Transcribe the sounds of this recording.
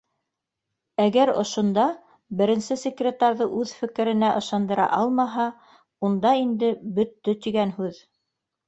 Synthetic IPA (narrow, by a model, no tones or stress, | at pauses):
æɡæɾŏ̰ʃŏnd̪ɑ | bɘ̆ɾɘ̆nsɘsʲɪkrʲet̪ɑɾðɤʔʉðfɘ̆kɘ̆ɾɘ̆næʔɤ̆ʃɑnd̪ɤ̆ɾɑ̰ʔɑlˠmɑɦɑ | und̪ɑind̪ɘbɵ̆t̪ːɵt̪iɡænhʉð